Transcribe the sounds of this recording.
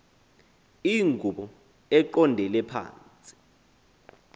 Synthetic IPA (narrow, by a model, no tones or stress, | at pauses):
iŋɡʱuɓɔ | ɛǃɔndʱɛlɛpʰa̰ːnt͡sʼi̥